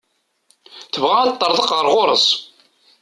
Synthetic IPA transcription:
θəvʁaæt̪ˤːəɾˤðˤəqʁəɾʁoɾˤə̰sˤ

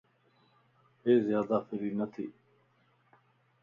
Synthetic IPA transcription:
eːzjaːd̪aːfɪɾiːnɐt̪ʰḭː

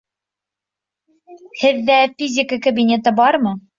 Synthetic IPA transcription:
hɘðːæfʲizʲɪkəkɐbʲinʲet̪ɤbɑɾmɤ

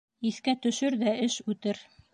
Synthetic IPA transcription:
iθkæt̪ɵ̆ʃɘɾðæɘʃʉt̪ɘɾ

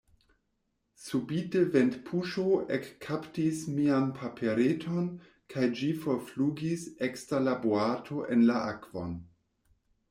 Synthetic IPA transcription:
subiteventpʰuʃoekʰːaptismianpʰapʰeɾetʰo̞n | kʰajd͡ʒifoɾfluɡisekstɾalaboatʰoʔenlaʔakv̥o̰n

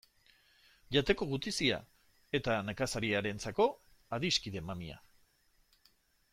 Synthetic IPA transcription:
ʝat̪e̞ko̞ɣut̪isia̰ | e̞t̪anekasaɾiaɾe̞nt͡sako̞ | aðiskiðe̞mamia̰

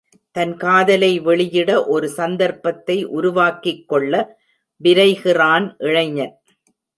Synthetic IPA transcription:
t̪ɐnkaːðɐlɐɪʋɛɭɪjɪɽɐʔɔɾɯsɐnd̪ɐɾpɐt̪ːɐɪʔʊɾʊʋaːkɪkːɔɭːɐ | ʋɪɾɐɪɣɪraːnʔɪɻɐɪɲɐɾ

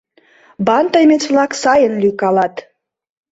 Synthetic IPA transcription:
bɑnt̪əjmet͡sβlɑksɑjənlykɑlɑt̪

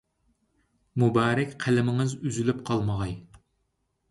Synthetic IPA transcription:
mubɑːɾɛkʲqʰælɪmɪŋɪzyzylypqʰɑlˠməʁɑj

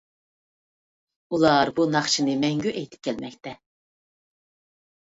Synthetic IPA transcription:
ulˠɑɾbunɑχt͡ʃʰinɨmɛŋɡʲyʔɛjt̪ʰɪ̥p̚kʲʰɛlmɛk̚ʲt̪ɛ

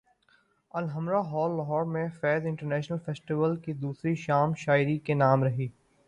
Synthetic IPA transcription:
ɐlɦɐmɾaɦɔːlːɦɔːɾmẽfɛːzɪ̃ɳʈəɾnɛːʃnəlfeːsʈiʋəlkid̪uːsɾiʃaːmʃaːɪɾikenaːmɾɐɦiː

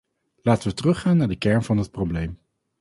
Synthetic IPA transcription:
laːtənʋətərɵχaːnːaːɹdəkɛɹnvɑnɦət̚problejm

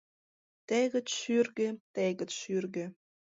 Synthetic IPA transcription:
t̪eɣə̆t͡sʃyrɣĕt̪eɣə̆t͡sʃyrɣĕ

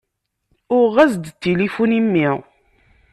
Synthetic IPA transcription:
ʊɾʁæzd̪t̪ːilifunimːi

